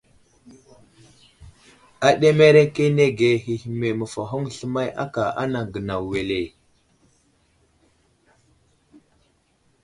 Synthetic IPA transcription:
a˨ɗe˦me˦ɾe˦ke˦ne˦ɡe˨ɦi˨hme˨mə˨fa˨ɦo˦ŋɬə˦ma˦ja̰˦ka˨ʔa̰˦na˨ɡə˨na˨wwe˨le˨

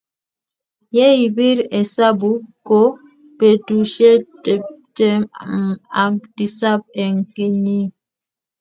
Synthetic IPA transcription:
jɛ˦i˨bi˦ɾɛ˨sa˦bu˨˦ko˦ | pe˨tu˨ʃe˦tɛ˨p̚te˦m˨ | a˨k̚di˨sa˦p̚ɛ˨ŋ̩˨ke˦ɲi˦

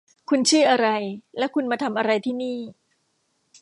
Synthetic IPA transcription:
kʰu˧nt͡ɕʰɯː˥˩ʔa˧ɾa˧jlɛ˦˥kʰu˧nmaː˧t̪ʰa˧mʔa˧ɾa˧jt̪ʰiː˥˩niː˥˩

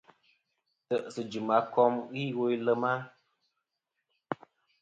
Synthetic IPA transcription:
tə˨ʔsə˨d͡ʒu˨ma˨˦kɔ˦mɣi˦wo˦jlə˦ma˦

